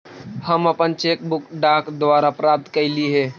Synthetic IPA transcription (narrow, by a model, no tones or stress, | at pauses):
həməpənt͡ʃeːk̚bʊkɖaːkd̪ʋaːɾapɾaːp̚t̪kəliɦɛeː